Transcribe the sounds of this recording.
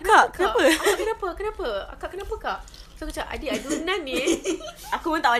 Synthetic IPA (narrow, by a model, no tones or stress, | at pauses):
kaʔkənãpəakkənãpəkənãpəa̰kaʔkənãpəkaʔ | sokət͡ʃaʔa̰diadunãnːi | akupʊnt̪aʔwa